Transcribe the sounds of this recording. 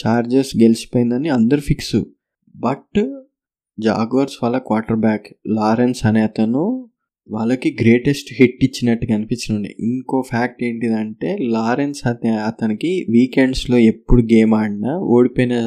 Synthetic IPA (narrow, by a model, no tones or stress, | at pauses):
t͡ʃaːɾd͡ʒesɡelisi̥poːjind̪ɐniɐnd̪ɐɾupʰiksṵ | bɐʈ | d͡ʒa̰ːɡʋɐɾsʋaːlːɐkʋaːɾʈɐɾbaːklaːɾensɐnɛːt̪ɐnu | ʋa̰ːɭːɐkiɡɾe̞ːʈesʈɦiʈːit͡ʃːinɐʈːuɡɐnipit͡ʃːinuɳɖḭʔiŋko̞ːpʰaːk̚ʈe̞ːɳʈid̪ɐɳʈe̞ːlaːɾe̞nsɐt̪eɐt̪ɐnikiʋiːkeɳɖslo̞ːe̞pːuɽuɡe̞ːmaːɽinɐʔoːɽipoːjneː